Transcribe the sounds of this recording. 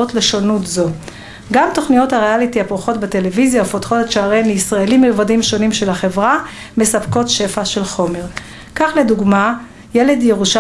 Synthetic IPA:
otle̞ʃonutzo̞ | ɡamto̞χnijo̞thaʁealitihapʁuχo̞tbete̞le̞vizjaufotχo̞taʃaaʁenleisʁaelimːilvadimʃo̞nimʃe̞lhaχe̞vʁame̞sapko̞tʃe̞faʃe̞lχo̞me̞ʁ | kaχle̞duɡma | je̞le̞dje̞ʁuʃa

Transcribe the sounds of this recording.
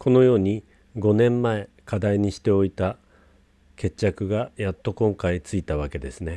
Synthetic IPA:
kʰo̞no̞jo̞ːɲ̟i | ɡo̞nẽ̞mːae̞ | kʰad̪aiɲ̟iɕi̥t̪e̞o̞it̪a | ke̞t͡ɕːakɯ̟ɡajat̪ːo̞kõ̞ŋkait͡sɨit̪aβ̞ake̞d̪e̞sɨne̞

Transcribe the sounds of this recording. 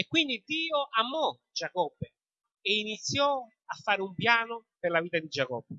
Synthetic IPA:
ekːwind̪id̪iːoʔamɔ | d͡ʒakɔbːe | einit̪sːjɔ | afːaːɾɪumpjaːnʊperlaviːt̪ad̪id͡ʒakɔbːe

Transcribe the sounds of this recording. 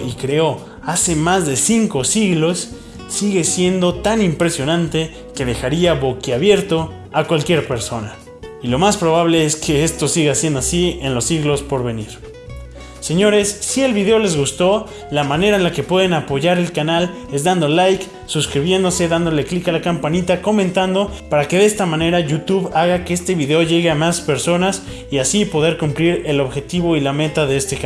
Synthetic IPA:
ʔikɾe̞o̞ | ase̞mazðe̞siŋko̞siɣlo̞sː | iɣe̞sje̞nd̪o̞t̪animpɾe̞sjo̞nãnt̪e̞ | ke̞ðe̞xaɾiaβo̞keaβje̞ɾt̪o̞ | akwalkje̞ɾpe̞ɾso̞na | ilo̞maspɾo̞β̞aβle̞eskʰe̞est̪o̞siɣasjend̪oasie̞nlo̞sːiɣlo̞spo̞ɾβe̞niɾ | se̞ɲo̞ɾe̞sːie̞lβiðe̞o̞le̞zɣust̪o̞ | lamãne̞ɾaenlake̞pwe̞ðe̞napo̞ʝaɾe̞lkanal | e̞zd̪and̪o̞lajk | suskɾiβ̞je̞nd̪o̞se̞ðand̪o̞le̞klikalakampanit̪ako̞mẽnt̪and̪o̞paɾake̞ðe̞st̪amãne̞ɾaʝut̪uβaɣakeest̪e̞βiðe̞o̞ʝe̞ɣe̞amaspe̞ɾso̞nas | iasipo̞ðe̞ɾkumpliɾe̞lo̞βxe̞t̪iβo̞ilame̞t̪aðe̞est̪ek

